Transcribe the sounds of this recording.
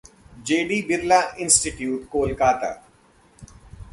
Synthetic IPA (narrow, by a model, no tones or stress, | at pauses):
d͡ʒeːɖiːbɪɾlaɪ̃nsʈɪʈjuːʈkoːlkaːt̪a̰ː